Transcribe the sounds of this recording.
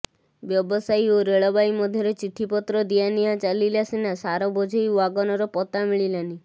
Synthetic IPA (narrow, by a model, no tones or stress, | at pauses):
bjɔbɔsajoɾeɭɔbajmɔd̪ʱjɔɾet͡ʃiʈ̪ʰipɔt̪ɾɔd̪ianijat͡ʃalilasinasaɾɔbɔd͡ʒʱɔjuaɡɔnɔɾɔpɔt̪amiɭilani